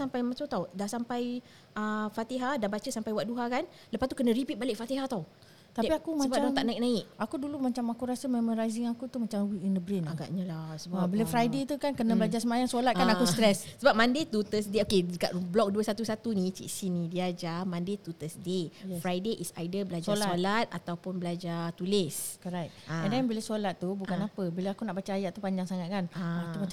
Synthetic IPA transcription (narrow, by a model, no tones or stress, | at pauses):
sampajmãt͡ʃawt̪awdaʔsampaj | əfat̪iɦadanbat͡ʃəsampajwaʔ̚duɦakan | ləpast̪ukənə̃ɾipit̪̚balɪk̚fat̪iɦat̪au | t̪apiakumabadãt̪aʔnãik̚nãikakudulumat͡ʃamakuɾasəmẽmãŋɾaziŋakut̪umat͡ʃamwikindəbɾinaɡa̰ʔɲəlasəbabələfɾajdet̪ukankənãbəlad͡ʒasəmajaŋsolat̪kanakust̪ɾɛsːəbap̚mãndet̪ut̪əsdeokeəɡa̰ʔblɔk̚duəsat̪usat̪unĩt͡ʃḭʔsinĩdiad͡ʒamãndet̪ut̪əsdefɾajdeʔisa̰jdəbəlad͡ʒsalsolat̪̚a̰t̪awpunbəlad͡ʒat̪ulɪskɔɾat̪̚aɛndɛnbilasolat̪̚ːubukanapəbilaakunaʔbat͡ʃaajaʔt̪upaɲd͡ʒaŋsaŋat̪̚kanaauma